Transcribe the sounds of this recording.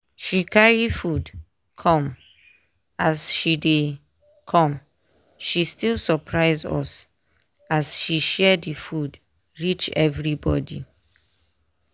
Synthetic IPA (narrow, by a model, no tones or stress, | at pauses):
ʃikaɹifud | kʰɔ̃m | asʃide | kʰɔ̃m | ʃistilsɔpʰɹaɪzɔ̰s | asʃiʃɛdifud | ɹit͡ʃɛvɹibɔ̰di